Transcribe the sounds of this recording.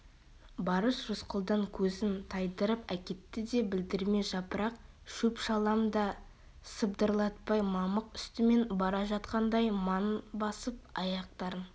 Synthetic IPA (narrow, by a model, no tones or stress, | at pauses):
bɑɾəsʒʊsqəlˠd̪əɴkʲʰɵzɪnt̪ʰɑjd̪əɾəpækʲe̞t̪ːɪd̪e̞bɪld̪ɪɾme̞ʒɑpəɾɑq̚ | ʃɵpʃɑlˠɑmd̪ɑ | səbd̪əɾlˠɑt̪̚pɑjmɑməqʏst̪ɪme̞nbɑɾɑʒɑt̪qɑnd̪ɑjmɑnbɑsəp̚ɑjɑq̚t̪ɑɾən